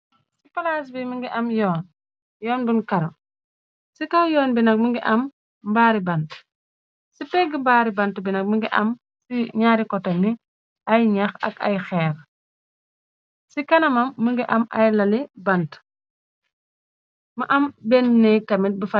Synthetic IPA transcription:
ssipɐlas̬biməŋɡiʔɐmjɔːn | jɔːnbunkɐɾɐ | sikɐwjɔːnbinɐk̚məŋɡiʔɐm | baːɾibɐnt | sipɛɡimbaːɾibɐntbinɐk̚məŋɡiʔɐ̰m | siɲaːɾikɔtɔni | ʔɐjɲɐxɐ̰kɐ̰jxɛːr | sikɐnɐmɐmːəŋɡiʔɐmʔɐjlɐlibɐnt | mɐʔɐmbɛnnɛjkɐmit̚bəfɐ

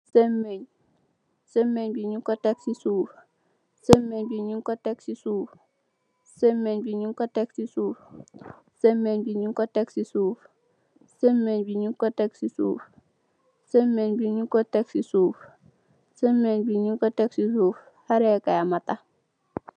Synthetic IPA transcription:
semːeɲ | semːeɲbiɲiŋkɔteksisuːf | semːeɲbiɲiŋkɔteksisuːf | semːeɲbiɲiŋkɔteksisuːf | semːeɲbiɲiŋkɔteksisuːf | semːeɲbiɲiŋkɔteksisuːf | semːeɲbiɲiŋkoteksisuːf | semːeɲbiɲiŋkɔteksisuːf | haɾɛkajamata

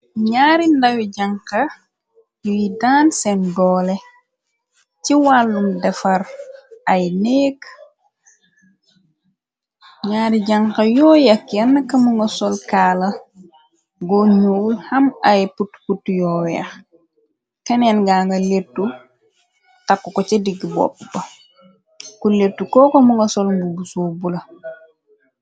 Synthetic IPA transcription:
ɲaːɾindɐwiɟaŋkɐ | jujidaːnsɛndɔːlɛ | ciwalːundɛfɐrʔɐjnɛːk | ɲaːɾiɟaŋkɐjɔːjɐkɛnːɐkːɐmuŋɡɐsɔlkaːlɐ | ɡɔɲuːlhɐmɐjputputːjɔwɛ̰x | kɐnɛnɡaːŋɡɐletːu | takːukɔt͡ʃɛdiɡbɔ̰pːbɐ | kuletːukɔːkomuŋɡɐsɔlŋɡubusobulɐ

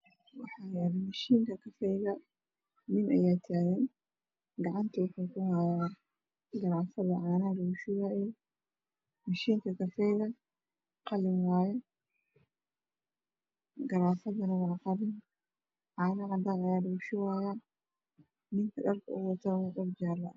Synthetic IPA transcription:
wɑħajaːɾɪmɐʃiːŋkʰɐkʰɐfɛjɣɐ | nɪnʔɐ̰jaːt̪ʰaːɣɛːn | ɡɑʕɑnt̪ʰɐwʊħuːkʰʊhaja | ɡɐɾaːfɐðɐʕaːnɐɖuːʃɪwaːjɛ | mɐʃiːŋkʰɐkʰɐfɛjɣɐ | qɑlɪmwaːjɛ | ɡɐɾaːfɐðɐnɐwɑːqɑlɪn | ʕaːnɐqɑd̪anɐjaːluːʃɪwaːja | nɪŋkʰɐɗɐrkʰɐ̰ʔʊwɐt̪ʰanɐqɔfd͡ʒaːrɐ̰

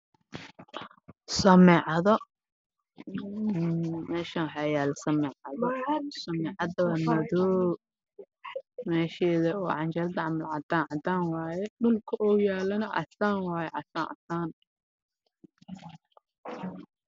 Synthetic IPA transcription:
sɐmɛːʕɑðɔ | mɛːʃawħɑjaːlsɐmɛːʕɑðɔsɐmɛːʕɑd̪ɐwɐmɐðɔː | mɛːʃɛːðɐɔːʕɑnt͡ʃɐlɐd̪ɐʕɑmɐlʕɑ̰d̪aːnʕɑd̪aːnwɑːjɛɖʊlkʰɐʔɔːjaːlɐnɐʔɑ̰saːnwɑːjɛʕɑ̰saːnʔɐ̰saːn

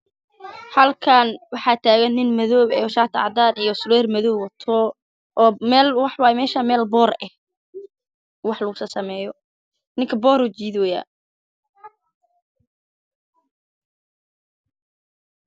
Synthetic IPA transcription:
hɐlkʰɐnwɑħɑːt̪ʰaːɣɐnːɪnmɛðɔːbɛ̰ːʃaːt̪ʰʕɑ̰d̪aːɾijɔsʊlɛːrmɛðɔːwɐt̪ʰɔ | ʔːmɛːlwɑħwɑːjɛmɛːʃaːmɛːlbɔːrɛh | wɑħlɐɣʊsɐsɐmɛːjɔ | nɪŋkʰɐbɔːɾɔt͡ʃiːðwɛja̰ː

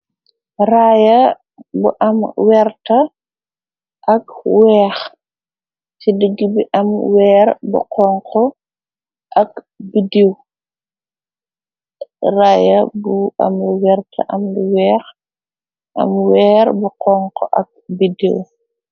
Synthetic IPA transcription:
rajɐ | bṵʔɐmwɛɾtɐ | ʔɐkwɛːx | sidəɡibiʔɐmwɛːɾbṵqɔŋkʰɔ | ʔɐk | bidiw | raːjɐbuɐ̰mwɛɾtʰɐ̰ʔɐmliwɛːx | ʔɐ̰mwɛːɾbuqɔŋkɔʔɐ̰k̚bidḭw

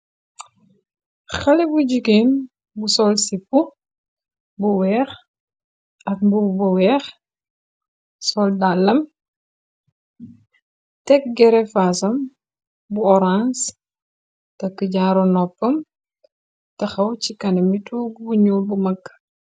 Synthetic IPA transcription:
xɐlɛbuɟukeːm | busɔlsipːu | buwɛːx | ɐk̚mbubuwɛːx | sɔldalːɐm | tɛk̚ɡɛɾɛfaːsɐm | buɔɾãns | tɐkːəɟaːɾɔnɔpːɐm | tɐxɐwcikɐnɐmituːɡbuɲuːlbumɐkː

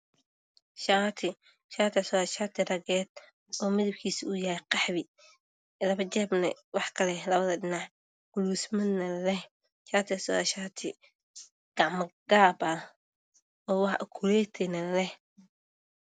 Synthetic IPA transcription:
ʃaːt̪ʰɪ | ʃaːt̪ʰɪsɔðɐʃaːt̪ʰɪrɐɣɛːd̪̚ | ɔːmɪðɪbkʰiːsujɐːɛqɑħβɪ | lɐβɐt͡ʃɛːbnɐ̰wɑħkʰɐlɛlɐβɐðɐɖɪnɑʕ | ɡ̥ʊluːsmɐnːɐlɛh | ʃaːt̪ʰɪsɔ̰ðɐʃaːt̪ʰɪ | ɡ̥ɑʕmɐɡ̥aːbɐ | ɔːwɑħʔkʰulɛːt̪ʰɛnɐlɛh

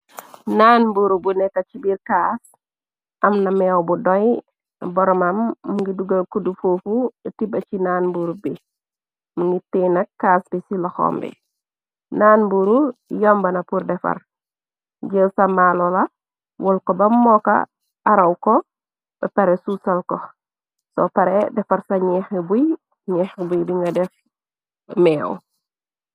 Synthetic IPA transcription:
naːnbuɾubunɛkːɐt͡ʃibiɾkaːs | ʔɐmnɐmɛwbudɔj | bɔɾɔmamːuŋɡiduɡakudufoːfutibɐcinanbuɾubi | muŋɡitɛnɐkːaːsbisilɐxɔ̰ːmbḭ | naːnbuɾujɔmbɐnɐpuɾdɛfɐ̰r | ɟəwsɐmalolɐ | wʔɔlkɔbɐmːɔka̰ | ʔaɾɐwkɔ | b̥ɐpɐɾesusɐlkɔ | sɔ̰pɐɾɛdɛfɐɾsɐɲɛxebuj | ɲɛːxbujbiŋɡɐdɛf | mɛːw

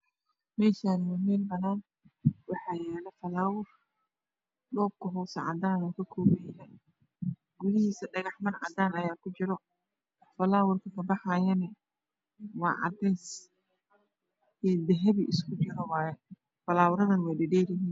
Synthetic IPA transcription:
mɛːʃaːnɪwɛmɛːlbɐnaːn | wɑħɑːjɛːlɛfɐlaːwʊr | ɗɔːb̚kʰɐɦɔwsɐʕɑ̰d̪aːnɔːkʰɐkʰɔːwɛːjaːn | ɡʊlɪhiːsɐɖɐɣɑħmɐrʕɑ̰d̪aːnɐjaːkʰʊt͡ʃɪɾɔ | fɐlaːwʊrkʰɐkʰɐbɑħaːjɐnɛ | wɑ̰ːʕɑ̰d̪ɛjs | ɛːd̪ɛɦɛβiʔɪskʰʊd͡ʒɪɾɔw | fɐlaːwʊɾɐðɐnwɛjɖɛɖɛːɾɪɦiːn

